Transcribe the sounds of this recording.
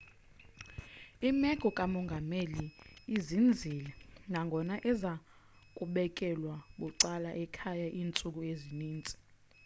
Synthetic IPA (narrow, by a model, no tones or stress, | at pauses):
imɛɡ̥ʱɔkʼamɔŋɡʱameliizind͡zʱilɛŋʱaŋɡʱɔnaʔɛza | kʼuɓɛkʼɛlwaɓuǀalaʔɛkʰajaʔiːnt͡sʼuk̬ueziniːnt͡sʼi̥